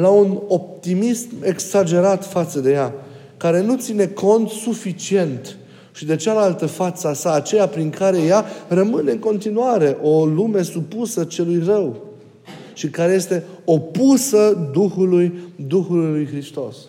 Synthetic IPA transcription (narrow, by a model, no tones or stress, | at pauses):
launo̞p̚t̪imisme̞ksad͡ʒe̞ɾat̪fat̪səd̪e̞ja | kaɾe̞nut̪sine̞kʰo̞nt̪sufit͡ʃie̞nt̪ | ʃid̪e̞t͡ʃalalt̪əfat̪səasaːt͡ʃejapɾiŋkʰaɾe̞jarəmɨne̞ɨŋko̞nt̪inuaɾe̞ʔo̞lume̞supusət͡ʃe̞lujrəw | ʃikaɾe̞je̞st̪e̞o̞pusəd̪uxulujd̪uxullujxɾist̪o̞̰s